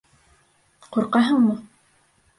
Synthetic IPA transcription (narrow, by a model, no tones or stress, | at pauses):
quɾqɑɦɤɴmɤ